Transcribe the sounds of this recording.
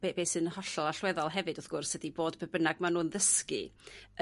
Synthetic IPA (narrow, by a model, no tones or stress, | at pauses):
b̥ebeːsɨnhɔɬɔlˠaɬwɛðɔlˠɦɛvɨdɔθɡ̥ʊrsədiboːdbəbənaɡmanuːnðəskɨ̰